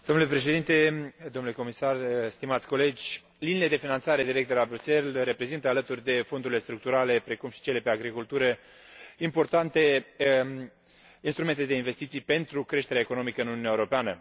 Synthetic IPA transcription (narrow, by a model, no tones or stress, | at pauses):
d̪̥onule̞pɾe̞ʃe̞d̪int̪e̞d̪omnule̞ko̞misarst̪imat̪sʲkole̞d͡ʒʲ | liniled̪efinant̪saɾe̞d̪iɾekt̪d̪elabɾuse̞lre̞pɾe̞zint̪əalət̪urʲd̪e̞fo̞nd̪uɾilest̪ɾuk̚t̪uɾale̞pɾe̞kumʃi̥t͡ʃe̞le̞peaɡɾikult̪uɾə | impo̞rt̪ant̪e̞ | inst̪ɾume̞nt̪e̞d̪e̞inve̞st̪it̪sijpe̞nt̪ɾukɾe̞ʃt̪eɾaeko̞no̞mikəɨnununʲaeuɾo̞peanə̰